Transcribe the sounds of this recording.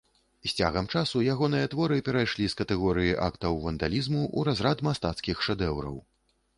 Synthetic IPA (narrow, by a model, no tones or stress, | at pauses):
sʲt͡sʲa̰ɣɐmt͡ʂasujaɣɔnɨjɐt̪vɔɾɨpʲɛɾajʂlʲiskɐt̪ɛɣɔɾɨjiʔa̰kt̪ɐwvɐnd̪alʲizmuʔṵɾazɾat̪mast̪at̪skʲixʂɛd̪ɛwɾɐ̰w